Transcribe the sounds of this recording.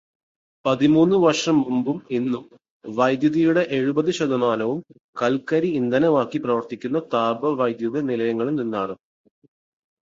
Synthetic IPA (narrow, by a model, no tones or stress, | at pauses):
pɐðimuːnːɨʋɐrʂɐmːumbuminːum | ʋɐjd̪juðɐjuɽe̞ʔeɻubɐðɨɕɐd̪ɐmaːnɐʋum | kɐlkɐɾiːnd̪ɐnɐmaːkːiprɐʋɐrt̪ikʲːunːɐt̪aːbɐʋɐjd̪jɐðɐnilɐjɐŋːɐɭumninːaːrɨ